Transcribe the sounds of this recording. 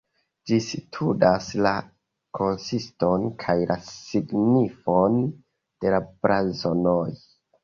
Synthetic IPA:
d͡ʒisitʰudasla | kʰo̞nsisto̞nkʰajlasiɡnifon | d̥e̞labɾazonoj

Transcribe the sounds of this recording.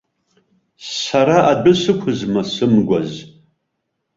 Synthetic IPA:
saɾaʔadʊsɨkʷʰʊzmasɨmɡʷa̰z

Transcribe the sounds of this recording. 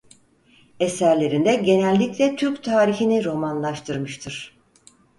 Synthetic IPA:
esæɾlʲe̞ɾind̪ɛɟe̞nɛlʲːiclʲɛt̪ʰyɾpt̪ʰaːɾiçiniɾo̞manlˠaʃt̪ʰɯɾmɯʃt̪ʰɯɾ̥

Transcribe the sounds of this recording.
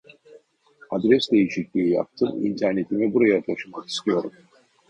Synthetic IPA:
ad̪ɾɛsd̪e̞jiʃicʲlʲiija̰p̚t̪ʰɯmḭnt̪ʰæɾne̞t̪ʰimibuɾajat̪ʰaʃɯmaki̥st̪ijo̞ɾum

